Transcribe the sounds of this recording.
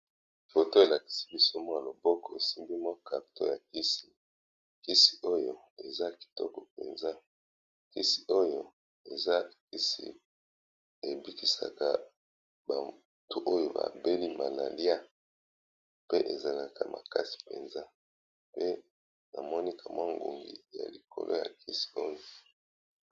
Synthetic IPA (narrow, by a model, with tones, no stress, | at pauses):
fo˨to˦e˨la˨ki̥˨si̥˦bi˦so˦mɔ˦a˨lo˨bɔ˦kɔ˨e˨si˦mbi˦mɔ˦ka˨to˦ja˨ki˦si˨ | ki˦si̥˨ʔo˦jo˦ | e˨za˦ki̥˨tɔ̰˦kɔ˨pḛ˨nza˦ | ki˦si˨ʔo˦jo˦ | e˨za˦˨ki˦sḭ˨ | e˨bi˦ki˨sa̰˨ka˨ | ba˨ | tu˦ʔo˦jo˦ba̰˨be˦li˦ma˨na˨lja˦ | pe˦ʔe˨za˨la˨ka˨mʔa̰˨ka˦si̥˨pe˨nza˦ | pe˦ | na˨mɔ˦ni˦kʰa˨mwa˦ŋɡo˨ŋɡi˨ja̰˨li˨kʰo̰˨lʔo˦ja̰˨ki˦si̥˨o˦jo˨